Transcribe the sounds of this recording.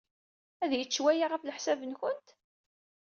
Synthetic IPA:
æðjət͡sːwæjaʁafləħsævənçənt̪

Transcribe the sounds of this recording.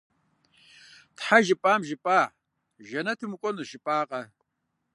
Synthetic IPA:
tħaʒɪpʼaːmʒɪpʼaːʕ | ʒɐnɐtʰɨmukʷʼɔnɨʃɪpʼaːqʼɐ

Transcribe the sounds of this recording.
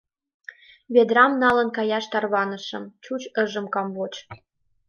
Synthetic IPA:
βed̪rɑmnɑlə̆nkɑjɑʃt̪ɑrβɑnə̆ʃə̆mt͡ɕut͡ɕə̆ʒə̆mkɑmβot͡ɕ

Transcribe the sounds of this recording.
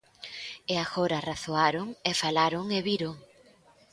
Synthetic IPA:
eaɣoɾaraθoaɾoŋefalaɾoŋeβiɾo

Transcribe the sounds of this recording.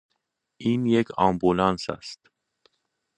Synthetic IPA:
ʔiːnjekʰɒːmbulɑnsæ̰st̪

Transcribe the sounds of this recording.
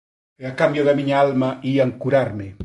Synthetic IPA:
akambjoðamiɲaalmaiaŋkuɾaɾme

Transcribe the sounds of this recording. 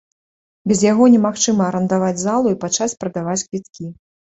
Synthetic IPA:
bʲɛzjaɣɔnʲɛmaxt͡ʂɨmɐːɾɐnd̪avad͡zʲzalˠuipat͡ʂat͡sʲpɾɐd̪avat͡sʲkvʲit̪kʲi

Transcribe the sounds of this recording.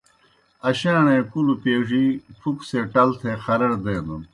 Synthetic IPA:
ɐɕaːɳẽːkulupeːʐifʰukseʈɐlt̪ʰexɐɾɐɽd̪eːnun

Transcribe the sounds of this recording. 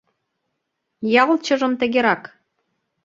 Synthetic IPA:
jɑlˠt͡ɕɤ̆ʒɤ̆mt̪ɘ̆ɡʲeɾɑk

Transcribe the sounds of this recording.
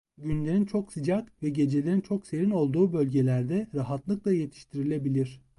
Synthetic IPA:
ɟynlʲe̞ɾint͡ʃʰo̞ksɯd͡ʒakvɛɟe̞d͡ʒelʲe̞ɾint͡ʃʰo̞kse̞ɾino̞lˠd̪uːbø̞lʲɟe̞lʲæɾd̪ɛɾaɦat̪lˠɯklˠaje̞t̪ʰi̥ʃt̪ʰiɾilʲe̞bilʲiɾ̝̥

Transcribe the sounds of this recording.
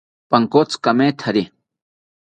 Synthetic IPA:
paŋkot͡skameːt̪ʰaɾi

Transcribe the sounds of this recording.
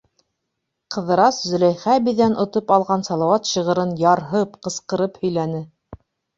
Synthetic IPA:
qɤ̆ðɤ̆ɾɑszɵ̆læjχæbiðænʔŏt̪opɑlˠʁɑnsɑlˠɑwɑt̪ɕɤ̆ʁɤ̆ɾɤnjɑɾɦɤpqɤ̆sqɤ̆ɾɤphɵ̆jlænɘ

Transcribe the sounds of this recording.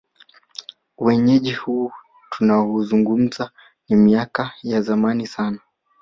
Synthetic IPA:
wɛɲɛʄihuː | tunaɔuzuŋɡum̩za | nimiakajazamanisana

